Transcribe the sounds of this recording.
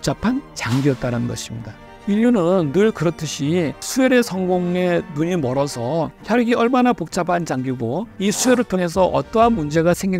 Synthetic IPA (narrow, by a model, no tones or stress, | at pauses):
k̚t͡ɕ͈apʰant͡ɕaŋɡiʌt̚t͈aɾanɯnɡʌ̰ɕʰimɲida | iʎːunɯnːɯɭkɯɾʌtʰɯɕʰisʰue̞ɾe̞sʰʌŋɡoŋe̞nuɲimʌɾʌsʰʌçʰjʌɾɡiʌɭmanapok̚t͡ɕ͈apʰant͡ɕaŋɡiɡoisʰue̞ɾɯɭtʰoŋe̞s̬ʰʌʔʌ̰t͈ʌɦanmund͡ʑe̞ɡasʰe̞ŋɡi